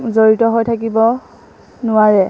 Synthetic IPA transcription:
zoɹitɔɦojtʰakibɔ | nʊaɹɛ

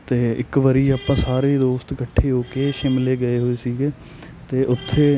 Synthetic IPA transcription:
t̪eːɪkʋəɾiːaːpãːsaːɾeːd̪oːst̪kəʈʰːeːɦoːkeːʃɪmleːɡəeːɦoːeːsiːɡeː | t̪eːʔʊt̪ʰːeː

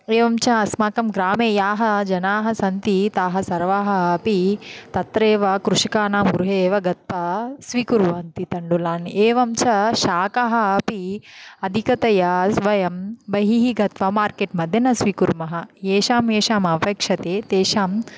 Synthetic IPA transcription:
eːʋɐmt͡ʃɐɐsmaːkɐmɡɾaːmeːjaːɦɐd͡ʒɐnaːɦɐsɐnt̪it̪aːɦɐsɐɾʋaːɦɐɐpit̪ɐt̪ɾeːʋɐkɾuʂikaːnaːmɡuɾuɦeːʋɐɡɐt̪̚ʋɐsʋikuɾʋaːnt̪it̪ɐɳɖulaːneːʋɐmt͡ʃʰɐʃaːkaɦɐɐpiɐd̪ʱikɐt̪ɐjɐsʋɐjɐmbɐɦiɦiɡɐt̪ʋɐmaːɾkeːʈmɐd̪ʱjɐnɐsʋikuɾmɐɦɐ̆eːʃaːmeːʃaːmɐpɐːkʂɐt̪eːt̪eːʃaːm

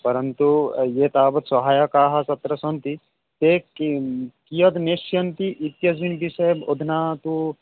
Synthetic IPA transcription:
pɐɾɐnt̪ujet̪aːbɐt̪sɐɦaːjɐkaːɦɐsɐt̪ɾɐsɐnt̪i | t̪e | kijɐd̪neʃjɐnt̪iʔit̪jɐsʋinbisɐjbod̪ʱnaːt̪u

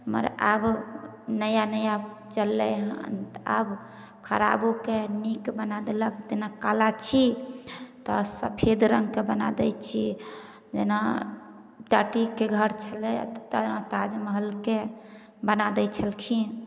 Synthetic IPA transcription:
mə̰ɾab | nəjanəja | t͡ʃəlːɛɦt̪a̰b | kʰəɾa̰bokenikbənad̪eləkʰt̪enakalat͡ʃʰi | t̪ɔsə̰pʰed̪ɾəŋɡkebəna̰d̪ɛjt͡ʃʰi | d͡ʒena | ʈaʈikeɡʱəɾt͡ʃʰəlɛt̪t̪anat̪ad͡ʒməɦəlke | bənad̪ɛt͡ʃʰəlkʰi

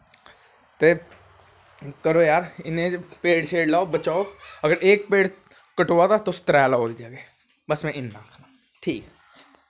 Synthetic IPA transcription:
t̪e | kɐɾojaːɾɪnẽd͡ʒpeːɽt͡ʃʰeːɽlaːobɐt͡ʃaːoɐɡəɾʔeːk̚peːɽ | kɐʈoːat̪at̪ost̪ɾɛːlaoːd̪id͡ʒaːɡeː | bəsmɛ̃ʔɪnːaːkʰna | ʈʰiːk

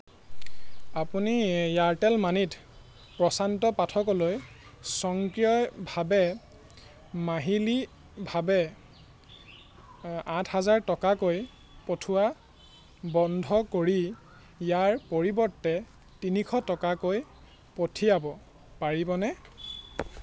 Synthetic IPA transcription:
apunijaɹtɛlmanit | pɹɔsantɔpatʰɔkɔloj | sɔŋkɹiɔjbʱabɛ | maɦili | bʱabɛ | ãtʰhazaɹtɔkakoj | potʰʊwa | bɔndʱɔkoɹi | jaɹpoɹibɔɹtːɛ | tinikʰɔtɔkakoj | potʰiabɔ | paɹibɔnɛ

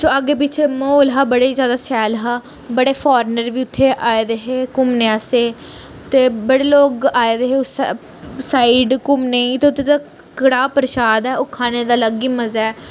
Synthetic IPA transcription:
soːaɡeːp̬ɪt͡ʃʰemoːlɦaːbəɽeːzjaːd̪aːsɛːlɦaː | bəɽeːpʰɔːɾnəɾʋiːʊt̪ʰːeːʔaːed̪eɦeːkʊmneaːseː | t̪eːbəɽeːloːɡaːed̪eːɦeːʊs | saːiɖkʊmneĩːt̪eːʊt̪ʰːeːt̪aː | kəɽaːpəɾʃaːd̪ɛːokʰaːneːd̪aːləɡiːməzaɛː

